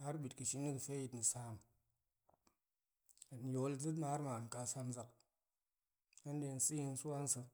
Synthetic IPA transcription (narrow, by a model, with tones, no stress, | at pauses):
a˦ɾbi˨tkɨ˨ʃi˦ni˦kfe˦ji˨tni˨saː˦m | a˨n˨jo˨˦ld͡zɨ˦t̬ma˨˦ɾma˨n˨ka˧sa˧mza˨k | a˦n˦de˧n̩˨si˦ji˧n̩˦su˦wa˦n̩˦sə˧